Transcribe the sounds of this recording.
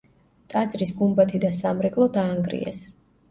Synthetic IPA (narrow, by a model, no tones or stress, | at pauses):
t̪ʼad̪zɾisɡumbat̪ʰid̪asamɾɛkʼlˠɔd̪aːŋɡɾḭɛ̰s